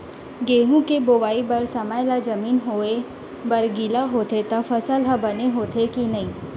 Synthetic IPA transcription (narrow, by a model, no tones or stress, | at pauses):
ɡeːɦũkeboːʋaːibɐɾsɐmaːjlad͡ʒɐmiːnɦoːe | bɐɾɡilaɦoːt̪et̪ɐfɐsəlɦɐbɐneɦoːt̪ʰekinɐɦĩː